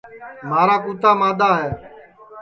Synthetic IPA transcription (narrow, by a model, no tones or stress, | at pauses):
maːɾaːkuːt̪aːmãːd̪aːɦɛː